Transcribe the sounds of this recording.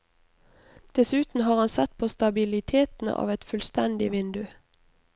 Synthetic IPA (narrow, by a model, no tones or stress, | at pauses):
d̪̥ɛsʉːt̪n̩ɦɑːʁɑnsɛt̪̚pʰoːst̪ɑbɪlɪt̪ʰeːt̪n̩̰ɑ̰ːʋɛt̪fʉlst̪ɛnd̪ɪʋɪnd̪ʉ